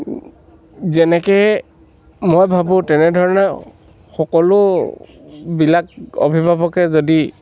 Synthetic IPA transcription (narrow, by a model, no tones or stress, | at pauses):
zɛnɛkɛ | mojbʱabʊ̃tɛnɛdʱɔɹɔnɛ | xɔkɔlʊ | bilak̚ɔ̰bʱibʱabɔkɛzodi